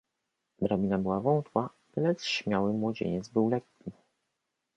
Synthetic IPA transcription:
bɾabʲinabɘwavɔ̃nt̪wa | lɛt̪sɕmʲjawɘmwɔd͡ʑḛɲɛt̪zbɘwlɛkːʲi

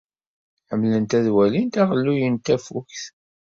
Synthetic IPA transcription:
ħəmlənt̪æðwælint̪æʁəlːujənt̪æfuçθ

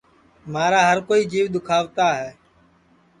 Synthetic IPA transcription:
maːɾaːɦəɾkoːiːd͡ʒiːʋɗ̪ʊkʰaːʋt̪aːɦɛː

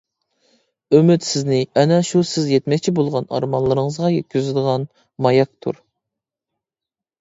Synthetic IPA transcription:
ømyt̪sɪznɪɛnɛʃusɪzjɛt̪mɛk̚ʲt͡ʃʰibolˠʁɑnɑ̰ɾmɑnlˠɨɾɨŋəzʁɑjɛt̪̚kʲyzɪd̪əʁɑn | mɑjɑk̚t̪ʰṵɾ

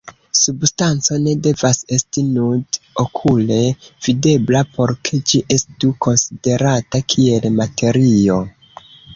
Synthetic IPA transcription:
substant͡so̞ne̞de̞vase̞stinudokʰule̞v̥ide̞blapʰo̞ɾkʰe̞d͡ʒiʔe̞stuko̞nside̞ɾatakʰie̞lmatʰe̞ɾio̞

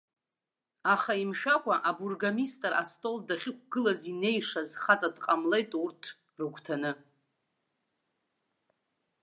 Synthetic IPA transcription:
aχaimʃᶣakʷʰʼaʔaburɡamistʼrastʼo̞ldaχʲɪk̚ʷʰʼɡ̥ɨlazine̞jʂazχat͡sʼadqʼamle̞jtʼurtʰ | rɨɡʷʰʼtʰanɨ

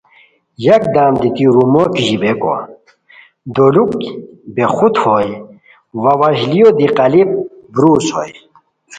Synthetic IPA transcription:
jɐk̚d̪aːmd̪it̪iɾumokiʑibeko̰ | d̪olukbexut̪hoj | wɐwɐʑlijod̪iqɐlip̚bɾuːso̰j

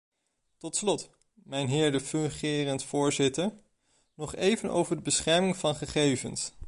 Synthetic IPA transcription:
tɔtslɔt | mɛjnɦɪːɹdəfɵŋχɪːrəntfʊːɹzɪtəɹ | nɔχejvənʔo̰wvəɹdəbəsχɛɹmɪŋv̥ɑnχəχejvə̰ns

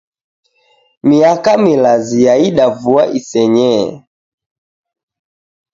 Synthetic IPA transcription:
miakamilazijaiɗavua̰ʔisɛɲɛ

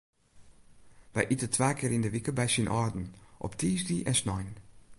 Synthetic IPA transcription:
vɛ̰jʔitətʋaːkʰɪːɾɪndəʋɪkəbɛjsinʔɔɹdn̩ʔɔ̰ptʰiːsdiʔɛnsnɔjn

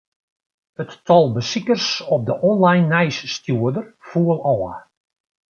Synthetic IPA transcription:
ətːʰɔlˠbəsikərsɔp̚dəʔɔnlajnːɛjsːtjuədərfuəlˠɔːə̰

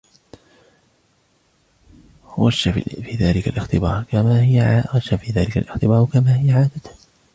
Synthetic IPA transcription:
waʃːa̰fiːðaːlɪkalʔɪxt̪ɪbɑ̰ːɾˤkamahɪwaʃːafiːðaːlɪka̰lʔɪxt̪ɪbɑːɾwkamaːhɪjaʕaːd̪at̪

